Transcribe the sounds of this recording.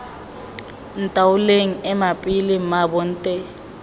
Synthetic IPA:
n̩tʼawuleŋ̩ɛmapʼilimabɔn̩tʼɛ

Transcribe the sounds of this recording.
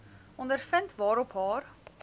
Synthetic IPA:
ɔndəɾfəntvɑːɾɔpɦɑːr

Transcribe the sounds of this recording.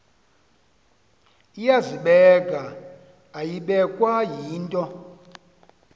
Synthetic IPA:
ijaziɓɛɡʱaː | jiɓɛkʼwajiːntʼɔ

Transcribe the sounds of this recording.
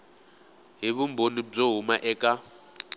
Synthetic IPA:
ɦiβumbonib͡ʐoɦumaʔɛːkʼa

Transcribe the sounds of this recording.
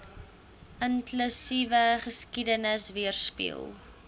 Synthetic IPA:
ʔənklysivəχəskidənəsviərspḭə̰lˠ

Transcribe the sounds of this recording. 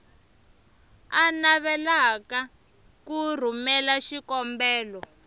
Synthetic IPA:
anaβɛlaka | kur̤umɛlaʃikɔmbɛːlɔ

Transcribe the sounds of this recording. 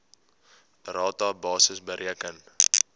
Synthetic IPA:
rɑːtɑːbɑːsəsbəɾʔiəkən

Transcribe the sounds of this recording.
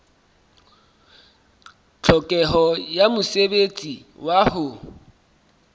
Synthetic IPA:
t͡ɬʰɔkʼɛɦɔjamʊsebet͡sʼiwahʊ

